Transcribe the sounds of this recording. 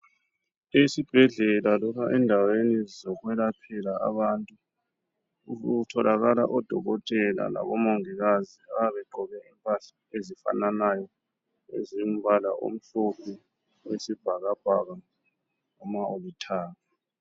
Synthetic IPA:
esib̥ʱɛɮɛlalɔkʰaʔɛndʱawenizɔɣwɛlapʰɛlaa̰βantʼu | uutʰɔlʔaɣala̰ʔɔd̥ʱɔɣɔtʼɛla̰la̰βɔmoŋiɣaziaβɛɡ͡ǃʱɔβɛimpʼaɬḁezifa̰nanajɔ | ḛzim̩bʱalaʔo̰m̩ɬopʰi | wesib̥ʱaɣab̥ʱaɣa | ŋɔmaoβitʰaːɣa

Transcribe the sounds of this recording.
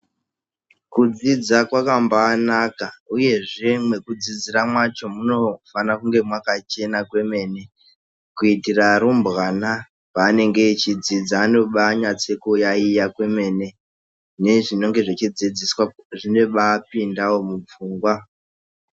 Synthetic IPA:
kud͡zid͡zakwakambaːnakauje̞ʐe̞mwe̞kud͡zid͡ziramwat͡ʃo̞muno̞fanakuŋɡe̞mwakat͡ʃe̞nakwe̞me̞ːne̞ | kuitiraɾumbɣana | paːne̞ŋɡe̞t͡ʃid͡zid͡zaːno̞ɓaɲat͡sekojaijakwe̞me̞ne̞ | ne̞ʐino̞ŋɡe̞ʐet͡ʃid͡zid͡ziswaʐine̞ɓaːpindawo̞mup͡fuːŋɡwa

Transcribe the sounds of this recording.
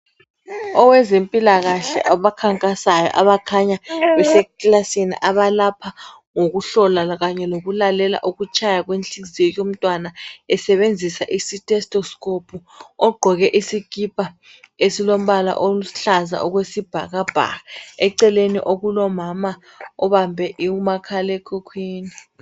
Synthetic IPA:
ɔwɛzempʼilaɣaɬɛ̰ʔaβakʰaŋkʼasajɔ̰ʔaβakʰaɲaβɛsɛkʼlasinḭʔaβalapʰa | ŋoɣuɬɔlaɣaɲɛloɣulalɛla̰ʔoɣut͡ʃʰʼajaɣwent͡ɬʼizijɔjom̩tʼwanaɛsɛβend͡zʱisaʔisitʰʼɛstʰʼɔskʰʼopʰuɔɡ͡ǃʱɔɣɛʔisikʰʼipʼa | esilom̩βala̰ʔoɬaza̰ʔɔɣwesib̥ʱaɣab̥ʱa̰ɣaɛǀɛlenḭʔoɣulɔmama | ɔβambʱɛʔiumakʰalɛkʰukʰwiːni

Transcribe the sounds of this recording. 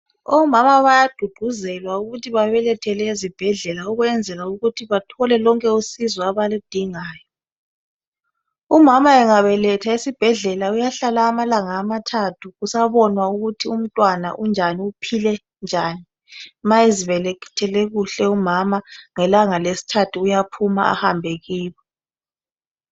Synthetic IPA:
ɔmamaβajad̥ʱuɡ͡ǃ̥ʱuzɛlwauɣutʰiβaβɛlɛtʰɛlɛizib̥ʱɛɮɛlauɣwɛnd͡zʱɛlauɣutʰiβatʰɔlɛlɔŋkʼɛusizwaβalid̥ʱiŋaːjɔ | umamaɛŋaβɛlɛtʰaesib̥ʱɛɮɛlaujaɬalaːmalaŋaːmatʰatʰuɣusaβɔnwauɣutʰium̩tʼwana̰ʔund͡ʒʱaniupʰilɛ | nd͡ʒʱaːni | maeziβɛlɛki̥tʰɛleɣuɬɛumamaŋɛlaŋalesi̥tʰatʰuːjapʰuma̰a̰hambʱeɣiːβɔ

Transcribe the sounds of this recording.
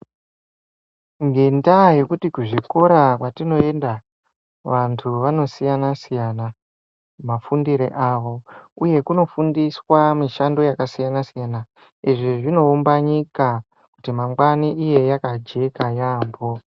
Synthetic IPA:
ŋɡe̞ndaje̞kutikuʐiko̞ɾakwatino̞e̞nda | ʋantʰuʋano̞sijanasijana | mafundiɾḛʔaʋo̞uje̞kuno̞fundiswamiʃando̞jakasijanasijana | iʐiʐino̞ːmbaɲika | ku̥timaŋɡwaniʔije̞jakad͡ʒe̞kajaːmbo̞

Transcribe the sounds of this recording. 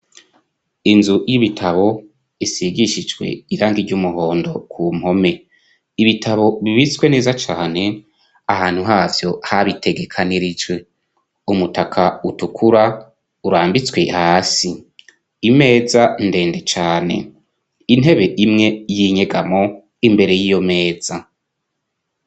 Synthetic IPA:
inzujiβitʰaβo̞ | isiɡiʃid͡ʒwḛiɾaːŋɡiɾɟumuɦo̞ːndo̞̰kʰuːmho̞me̞ | iβitʰaβo̞βiβit͡swe̞ne̞ːzat͡ʃaːne̞ | ahaːn̥huɦaːvjo̞haβitʰe̞ɡe̞kʰaniɾid͡ʒwe | umutakʰautukʰuɾa | uɾaːmbit͡swe̞haːsi | ime̞ːzande̞ːnde̞t͡ʃaːne̞̰ | in̥ɦe̞βe̞ʔimŋe̞jiɲe̞ɡamo̞ | imbe̞ɾe̞jijo̞me̞ːz̥a

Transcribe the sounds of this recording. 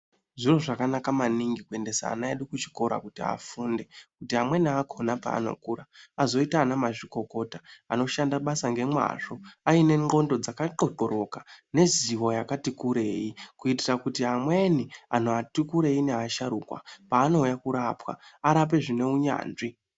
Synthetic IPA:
ʐiro̞ʐakanakamaniŋɡikue̞nde̞sa̰ːnaeɗikut͡ʃi̥ko̞ɾa̰kutia̰fuːnde̞kutiamwe̞niakʰo̞napa̰ːno̞̰kuːɾaazo̞itaːnamaʐiko̞ko̞taano̞ʃandaɓasaŋɡe̞mwa̰ʐo̞aine̞ŋɡo̞ndo̞d͡zakaǃoǃo̞ɾo̞kane̞ziʋo̞jakatikuɾe̞ːjikuitirakutiamwe̞nianoatikuɾe̞ineaaʃaɾuːkwa̰paːno̞ujakuɾapwa̰aɾap̬e̞ʐine̞uɲa̰ːnʐi

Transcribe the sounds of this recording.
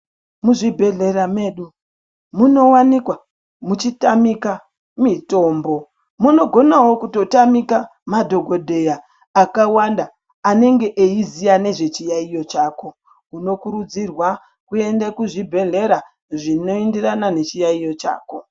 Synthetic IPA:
muʐibʱe̞ɮe̞ɾame̞ːɗu | muno̞wanikwa | mut͡ʃitamika | mito̞ːmbo̞ | muno̞ɡʱo̞nawo̞kuto̞tamika | madʱo̞ɡʱo̞dʱe̞jaː | kawandaː | ne̞ŋɡe̞ʔeizijane̞ʐe̞t͡ʃijaijo̞t͡ʃaːko̞ | uno̞kuɾud͡zirwa | kue̞ndekuʐibʱe̞ɮe̞ɾa | ʐino̞endiranane̞t͡ʃijaijo̞t͡ʃa̰ːko̞

